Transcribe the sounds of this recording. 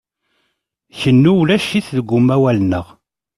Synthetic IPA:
çənːuwlæʃiθðəɡʷːʊmːæwælnəʁ

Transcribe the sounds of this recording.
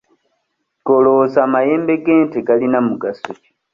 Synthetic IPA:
ɡolosaːmaje̞ːmbe̞ɡeːnteɡalinamuɡasoci̥

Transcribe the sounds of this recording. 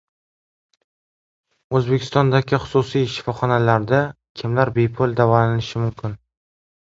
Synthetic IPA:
ɵzbe̞kʲʰɪ̥st̪ɒnd̪aɡʲɪχʊ̥susijʃːɪ̥fɒχɒnalaɾd̪a | kʲʰɪmlaɾbe̞pʰʊlˠd̪avɒlanɪnɪʃɪmʊmkʲʰɪn

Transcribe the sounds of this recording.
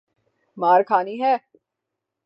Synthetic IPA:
maːɾkʰaːniɦɛː

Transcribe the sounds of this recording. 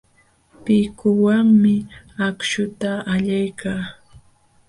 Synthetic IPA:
pɪkʊwaŋmɪ | akʃʊt̪aaʎajkʰaː

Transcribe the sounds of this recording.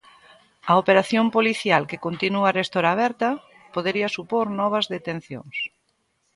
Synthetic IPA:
ɐopeɾaθjompoliθjalkekont̪inuarest̪oɾaːβɛɾt̪ɐ | poðeɾiɐsupoɾnɔβ̞ɐzðet̪en̟θjo̰ŋs

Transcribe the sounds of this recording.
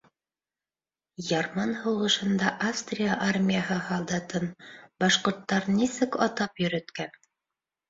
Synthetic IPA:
jɑɾmɑnhɤ̆wɤ̆ʃɤ̆nd̪ɑʔafst̪rʲijaʔarmʲijaɦɤhɑlˠd̪ɑt̪ɤnbɑʃqŏɾt̪ːɑɾnisɘkɑt̪ɑpjɵ̆ɾɘ̆t̪kæn

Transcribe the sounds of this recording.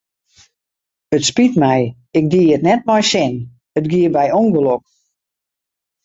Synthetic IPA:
ətspitmɛj | ɪk̚diətnɛt̚mɔjsɪn | ətɡiəbɛjoŋɡəlok̚

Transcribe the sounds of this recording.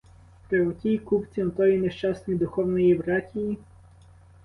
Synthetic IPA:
pɾɛɔt̪ʲiːkupt̪sinot̪ɔinɛʃt͡ʃasnid̪uxɔvniɛbɾat̪ʲiː

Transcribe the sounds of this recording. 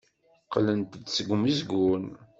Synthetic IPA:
qlənt̪d̪səɡʷmizɡun

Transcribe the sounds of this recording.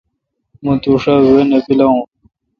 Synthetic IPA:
mũt̪uʂawenepilaũ

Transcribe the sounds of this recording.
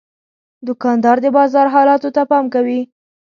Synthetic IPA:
d̪ʊkɑnd̪ɑɾd̪əbɑzɑɾɦɑlɑt̪ot̪apɑmkawi

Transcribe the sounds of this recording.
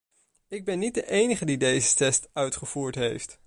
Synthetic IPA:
ɪɡ̚bɛnːit̚dəʔejnəχədidejzətɛstœɥtχəv̥uːɹtɦejft

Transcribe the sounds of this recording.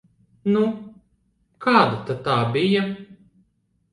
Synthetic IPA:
nu | kʰaːd̪at̪at̪aːbija

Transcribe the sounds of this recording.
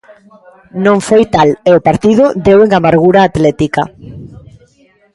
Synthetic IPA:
nõŋfojt̪aleopaɾt̪iðʊd̪eweŋamaɾɣuɾaːt̪lɛt̪ika

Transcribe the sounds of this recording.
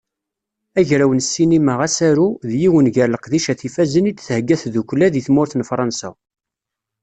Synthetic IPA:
æʝɾæwənsːinimæʁasæɾuðjiwənʝəɾləqðiʃæθifæzənit͡s̪ːθhəɡːæθðukʷlæðiθmʊɾθənfɾˤɑnsæ̰

